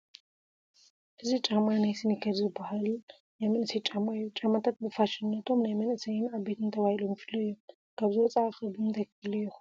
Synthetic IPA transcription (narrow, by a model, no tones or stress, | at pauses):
ʔɨzit͡ʃʼamanajsɨnikʰɐɾzɨbahal | jamɐnɨsɐjt͡ʃʼamaijːut͡ʃʼamːat̪ʰat̪̚bɨfaʃɪnːɐt̪ʰo̞mnajmɐnʔɨsɐjɪnaβbet̪ʰɨnt̪ʰɐβahilomjɪfɨlːojːɛ | kʰaβzɨwɔt͡sʼaxɐbɨmt̪ʰɐkɨlɐjɛxu